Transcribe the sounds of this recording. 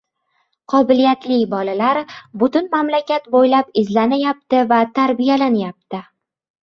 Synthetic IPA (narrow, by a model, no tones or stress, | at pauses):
qʰɒbɪlijat̪lɪjbɒlalaɾbʊt̪ʊnmamlakʲat̪bojlapɪzlanajap̚t̪ɪvat̪ʰaɾbijalanjap̚t̪ʰɪ